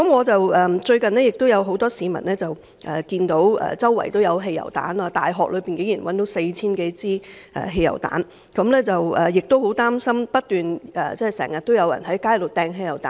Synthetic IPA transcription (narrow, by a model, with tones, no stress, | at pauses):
kɐ˨˥mŋɔː˨˧t͡sɐ˨wɛː˨˩t͡ʃɵ˧ɥkɐ˨nlɛː˥jɪ˨k̚t̪o˥wjɐ˨˧wɦo˨˥wt̪ɔː˥siː˨˧mɐ̰˨˩nlɛː˥t͡sɐ˨w | ʔɛ˨kiː˧nt̪o˨˥wɛ̰ː˨˩t͡sɐ˥wːɐ̰˨˩jt̪o˥wjɐ˨˧wɦe˧jɐ̰˨˩wt̪a̰ː˨˥naː˧t̪a̰ː˨jɦɔː˨k̚lɵ˨˧piː˨˩nke˨˥ŋjiː˨˩nwɐ˨˦nt̪o˨˥wse˧jt͡sʰiː˥nke˨˥jt͡siː˥ | ʔɛ̰ː˨˩ɦe˧jɐ̰˨˩wt̪a̰ː˨˥n | kɐ˨˥mlɛː˥t͡sɐ˨wɛ˨jɪ˨k̚t̪o˥who˨˥wt̪aː˥msɐ˥mpɐ˥t̚t̪yː˨nʔɛ̰ː˨˩t͡sɛː˥˨˩sɛ̰ː˨˩ŋjɐ˨t̪̚o˥wjɐ˨˧wjɐ̰˨˩nɦɐ˨˥jkaː˥jlo˨˩t̪ɛː˧ŋɦe˧jɐ˨˩wt̪aː˨